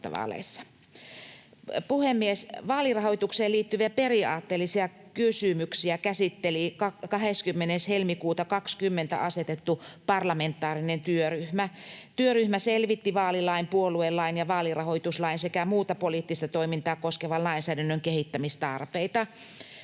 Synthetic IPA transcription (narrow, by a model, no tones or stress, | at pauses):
t̪ɑ̰ʋɑ̰ːlḛsːɑ̥ | puhemːiesʋɑːlirɑhoijt̪ukseːliːt̪ːyʋiæperiɑːt̪ːeːlːisiɑ | kysymyksiækæsit̪ːelikɑkɑɦeskymːeneshelmikuːt̪ɑkɑkskymːent̪æ̰ʔɑset̪et̪ːupɑrlɑment̪ːˑɑːrinent̪yøryhmæt̪yøryhmæselʋit̪ːiʋɑːlilɑimpuoluelːɑinjɑʋɑːlirɑhoit̪uslɑinsekæmuːt̪ɑpoliːˑt̪ːist̪ɑt̪oimint̪ɑːkoskeʋɑllɑinsæːdænːøŋkehit̪ːæmist̪ɑrpeit̪ɑ